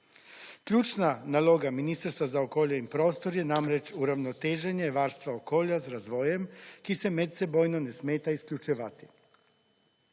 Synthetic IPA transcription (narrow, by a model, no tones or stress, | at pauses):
kʎʲuːt͡ʃnanaloɡaminist̪ɾst̪ʋazaokoːʎeimpɾo̞ːst̪oɾjenamɾet͡ʃuɾaʋnot̪eːʒeɲeʋaːɾst̪ʋaokoːʎazɾazʋo̞ːjemkisemet̪̚t̪sebo̞ːjnonesmeːt̪aiskʎʲut͡ʃiʋat̪i̥